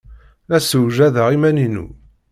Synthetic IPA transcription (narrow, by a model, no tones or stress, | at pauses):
æsuwʒæðəʁimæninṵ